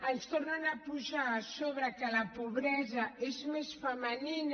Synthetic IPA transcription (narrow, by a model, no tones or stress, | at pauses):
ənst̪ornanapuʒaːsoβɾakəlapoβɾɛzaezmesfəmənin